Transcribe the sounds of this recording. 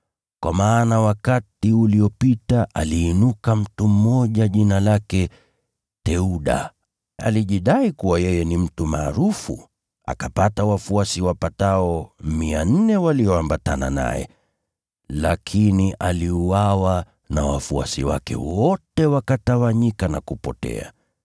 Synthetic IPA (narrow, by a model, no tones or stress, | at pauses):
kwamaːnawakatiuliɔpitaʔaliːnukam̩tum̩mɔʄaʄinalakɛ | tɛuɗa̰ | a̰liʄiɗaikuwajɛjɛnim̩tumaːɾufṵ | a̰kapatawafuasiwapataɔmian̩nɛwaliɔambatana̰na̰jɛ̰ | lakʰiniʔaliuwawa | nawa̰fua̰sḭwa̰kɛ̰wɔtɛwakatawaɲikanakupɔ̰tɛ̰a̰